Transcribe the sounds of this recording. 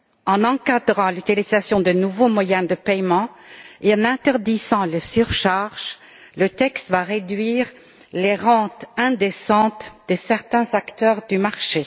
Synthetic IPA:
ɑ̃nɑ̃kad̪ʁɑ̃lyt̪ilizasjɔ̃d̪ənuvomwajɛ̃d̪əpɛjmɑ̃eɑ̃nɛ̃t̪ɛʁd̪izɑ̃ləsyʁʃaʁʒ | lət̪ɛkst̪vaʁed̪ɥiːʁ | leʁɑ̃t̪ɛ̃d̪esɑ̃t̪d̪̥əsɛʁt̪ɛ̃zakt̪œːʁd̪ymaʁʃe

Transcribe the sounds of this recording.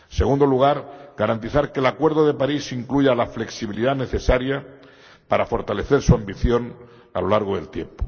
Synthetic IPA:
se̞ɣund̪oluɣ̞aɾɡaɾant̪iθaɾke̞ːlakwe̞ɾðo̞ðe̞paɾisiŋkluʝalafle̞ksiβiliðane̞θe̞saɾja | paɾafo̞ɾt̪ale̞θe̞ɾsuambiθjo̞n | a̰lo̞laɾɣ̞oðe̞̰lt̪je̞̰mpo̥

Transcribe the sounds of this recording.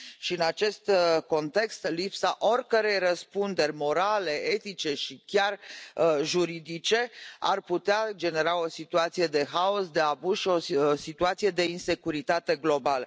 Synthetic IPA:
ʃiɨnat͡ʃe̞st̪ko̞nt̪e̞kst̪lipsaʔo̞rʲkəɾe̞jrəspund̪e̞rʲmo̞ɾale̞e̞t̪it͡ʃe̞ʃikʲar | ʒuɾid̪it͡ʃe̞a̰rput̪ead͡ʒe̞ne̞ɾao̞sit̪uat̪sije̞d̪e̞ɦao̞sd̪e̞abuzʃio̞sit̪uat̪sije̞d̪e̞inse̞kuɾit̪at̪e̞ɡlo̞balə

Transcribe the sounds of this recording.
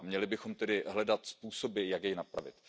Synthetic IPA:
mɲɛlɪbɪxo̞mt̪ɛdɪɦlɛdat̪spuːso̞bɪjakjɛjnapɾa̰vɪ̰t̪

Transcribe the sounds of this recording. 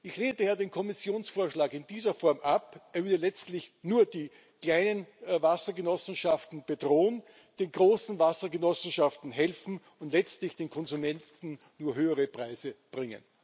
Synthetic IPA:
ʔɪçleːntəjaːdeːnkʰɔmɪsjoːnsfoːɐʃlaːkɪnd̥iːzɐfɔɐmʔapʔeːɐvɪɐdəlɛt͡stlɪçnuːɐd̥iː | kl̥aɪnənvasɐɡənɔsn̩ʃaftn̩b̥ədʁoːn | d̥eːnɡʁoːsn̩vasɐɡənɔsn̩ʃaftn̩ɦɛlfn̩ | ʊntlɛt͡stlɪçd̥eːnkʰɔnzumɛntn̩ | nuːɐɦøːəʁəpʁ̥aɪzəb̥ʁɪŋə̰n

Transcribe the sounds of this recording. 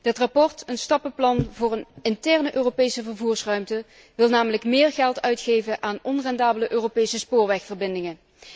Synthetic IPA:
dətrɑpɔɹtənstɑpəplɑnvʊːrənɪntɛɹnəʔøːropejsəvəɹvuːɹsrœɥmtə | ʋɪlˠnaːmələkmɪːɹɣɛlˠtœɥtχejvəʔaːnɔnrɛndaːbələʔøːropejsəspʊːɹʋɛxfəɹbɪndɪŋə

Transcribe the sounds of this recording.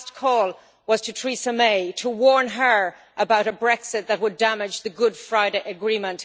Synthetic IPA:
stkʰɔlˠ | wʌz̥tʰɨtʰɹ̥isəmeɪtʰəwɔɹnə˞ | ʔəbaʊɾəbɹɛksɨt̪̚ðət̚wədamɪd͡ʒðəɡʊd̥fɹaɪɾeɪʔəɡɹĩmə̃nt

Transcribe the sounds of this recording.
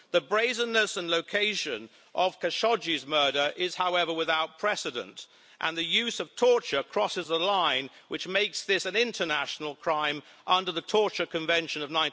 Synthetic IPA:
ðɨbɹeɪzə̃nɨsə̃nloʊkʰeɪʃɨ̃n | ʔʌv̥kʰɨʃɑd͡ʒizmɜ˞ɾə˞ʔɪz̥haʊɛvə˞wɨðaʊt̚pʰɹ̥ɛsɨɾɨ̰̃nt | ʔə̰̃nðɨjʉzʌv̥tʰɔɹt͡ʃə˞kʰɹ̥ɔsɨzəlãɪ̃nwɨt͡ʃmeɪksðɪsɨ̃nɪ̃ntʰə˞næʃn̩l̩ˠkʰɹ̥ãɪ̃m | ʔʌ̃ndə˞ðɨtʰɔɹt͡ʃə˞kʰɨ̃ɱvɛ̃nʃɨ̃nʌvnãɪ̃

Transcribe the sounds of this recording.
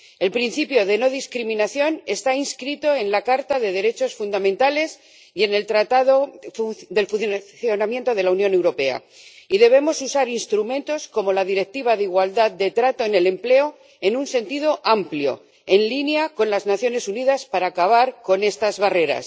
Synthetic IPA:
e̞lpɾin̟θipjo̞ðe̞no̞ðiskɾimĩnaθjo̞ne̞st̪ainskɾit̪o̞e̞nlakaɾt̪aðe̞ð̞e̞ɾe̞t͡ʃo̞sfund̪amẽnt̪ale̞s | je̞ne̞lt̪ɾat̪aðo | ðe̞lfunθθjo̞namje̞nt̪o̞ðe̞launjõ̞ne̞wɾo̞pe̞a̰ | iðe̞β̞e̞mo̞susaɾinst̪ɾumẽ̞nt̪o̞sko̞mo̞laðiɾek̚t̪iβ̞aðeiɣwald̪að̚d̪e̞t̪ɾat̪o̞ene̞le̞mple̞o | e̞nunse̞nt̪iðo̞ʔampljo̞̰ | e̞nlinjako̞nlaznaθjo̞ne̞suniðaspaɾaːkaβ̞aɾko̞ne̞st̪azβare̞ɾa̰s

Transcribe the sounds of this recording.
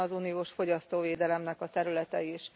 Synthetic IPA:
ɒzuːnijoːʃfo̞ɟɒst̪oːveːd̪ɛlɛmnɛkɒt̪ɛɾylɛt̪ɛiʃ

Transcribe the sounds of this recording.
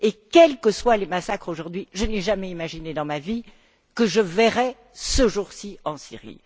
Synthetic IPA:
ekɛlkəswalemasakχoʒuʁd̪ɥiʒənɛʒamɛimaʒined̪ɑ̃mavi | kəʒəvɛʁɛ | səʒuʁsiɑ̃sḭʁḭ

